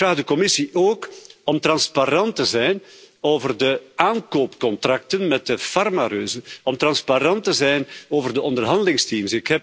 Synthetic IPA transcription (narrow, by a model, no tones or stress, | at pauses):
fraːɣdəkɔmɪsiʔoːkɔmt̪rɑnspaɾɑntəzɛjnoːvərdəaːnkoːpkɔnt̪rɑk̚tənmɛt̚əfɑrmaɾøːzənɔmt̪rɑnspaɾɑntəzɛjnoːvərdəɔndərɦɑndəlɪŋstimsɪkɦɛ